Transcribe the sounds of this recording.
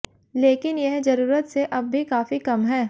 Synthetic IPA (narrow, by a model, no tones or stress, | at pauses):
leːkɪnjɛɦd͡ʒɐɾuːɾət̪seʔɐbːʱikaːfikɐmɦɛː